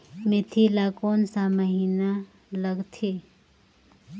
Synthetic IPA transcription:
met̪ʰilakoːnsaməɦina | ləɡt̪ʰi

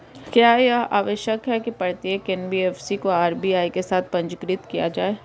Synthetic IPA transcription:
kjaːea̰ːʋəʃjəkɦɛkipɐɽt̪iekɛːnbiɛːfsikoaːɾbiaːikesaːt̪̚ʰpɐ̃ɲd͡ʒkɾɪt̪kija̰d͡ʒaːeː

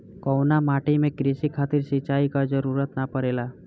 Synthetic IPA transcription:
kɔwnamaːʈimẽkɾɪʃikʰaːt̪ɪɾsɪt͡ʃaːikad͡ʒəɾuɾət̪napəɾela

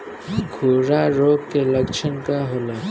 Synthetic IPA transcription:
ɡʱoːɾaɾoːkkːeləkt͡ʃʰənkaɦoːlaː

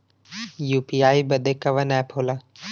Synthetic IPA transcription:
juːpiːaːibɐd̪ekɐʋɐnɛːpʰoːla

